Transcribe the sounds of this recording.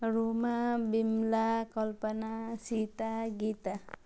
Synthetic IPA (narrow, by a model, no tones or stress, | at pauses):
ɾumabimlakɔlpənasit̪aɡit̪a